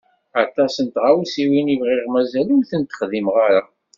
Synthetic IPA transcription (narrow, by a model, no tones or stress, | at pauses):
at̪ˤɑsənt̪ʁawsiwinivʁɪʁmæzælimθənt̪ə̥χðimʁaɾa